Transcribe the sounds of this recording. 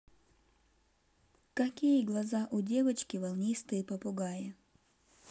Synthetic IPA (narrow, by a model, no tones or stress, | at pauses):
kɐkʲijəɡlˠɐzaʔʊdʲevɐt͡ɕkʲɪvɐlˠnʲist̪ɨjpɐpʊɡaje